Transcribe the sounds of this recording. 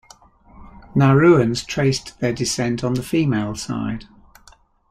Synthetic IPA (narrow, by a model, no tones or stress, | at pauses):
naɹʉːə̃nz̥tʰɹ̥eɪsðədɪsɛ̃ntʰn̩ðəfiːmeɪlˠsa̰ɪd̥